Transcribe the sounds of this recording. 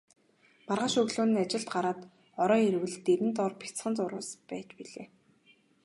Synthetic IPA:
marʁăːʃɵɣɮoːnĭːat͡ɕɪ̆ɬt̪̚ɢaɾaːt̪ | ɔɾɔːiɾwɘ̆ɮt̪ːeɾɘ̆nt̪ɔːrpʲi̥t͡sχə̆nt͡sʊɾʊ̰ːspæːt͡ɕpiɮḛː

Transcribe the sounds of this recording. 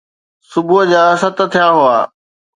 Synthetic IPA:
sʊbʊɦəd͡ʑaːsɐt̪ə̆t̪ʰijaɦʊaː

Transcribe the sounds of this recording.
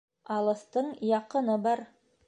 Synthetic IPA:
ɑlˠɤ̆θt̪ɤɴjɑqɤ̆nɤbɑɾ

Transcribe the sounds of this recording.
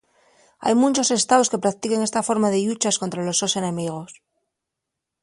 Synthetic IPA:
a̰jmũnt͡ʃo̞se̞st̪aβo̞ske̞pɾak̚t̪ike̞ŋe̞st̪afo̞ɾmaðe̞ʎut͡ʃasko̞nt̪ɾalo̞sːose̞nẽ̞miɣ̞o̞s

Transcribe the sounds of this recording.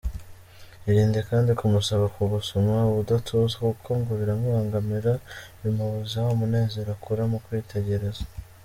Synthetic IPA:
iɾiːnde̞kaːndikumusaβakuβusomauβudatʰuzakukʰoŋɡuβiɾamihaːŋɡamiɾaβimaβuzahomune̞ːze̞ɾakʰuɾamukwiːtʰe̞ɟe̞ɾe̞zḁ

